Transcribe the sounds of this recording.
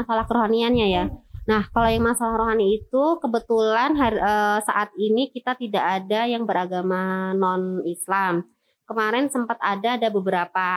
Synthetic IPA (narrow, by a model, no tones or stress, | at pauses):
asalahkəɾoɦanianɲajanahkalajaŋmasalahɾoɦaniːt̪ukəbət̪ulanɦaəsa̰ʔat̪̚inikit̪at̪idaʔːdajaŋbəɾaɡamanɔnislam | kəmaɾɛnsəmpat̪adaːdabəbəɾapa